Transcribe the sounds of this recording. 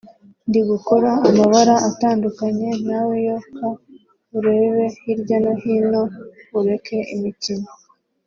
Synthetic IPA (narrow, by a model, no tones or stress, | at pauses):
ndiɡuko̞ɾaːmaβaɾaʔataːndukaɲe̞nawejoka | uɾe̞ːβe̞hiɾɟonohino̞uɾe̞ke̞imicino